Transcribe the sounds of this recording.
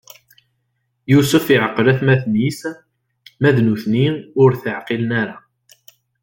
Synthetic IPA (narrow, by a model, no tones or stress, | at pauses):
jusəfiʕəqːəlæθmæθnis | mæðnuθniʊɾθəʕqilnæɾa